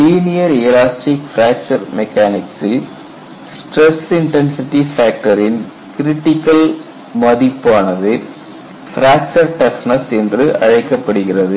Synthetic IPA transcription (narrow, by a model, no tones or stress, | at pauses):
siːnɪjɐɾeːlaːsʈɪkfɾaːk̚t͡ʃɐɾmɛkːaːnɪksɪl | sʈɾɛsɪɳʈɛnsɪʈːifaːk̚ʈɐɾɪn | kɪɾɪʈːɪkːɐl | mɐðɪpːaːnɐðɯ | fɾaːk̚t͡ʃɐɾʈɐknɐsɛndrɯʔɐ̰ɻɐɪkːɐpːɐɽɯɣɪrɐðɯ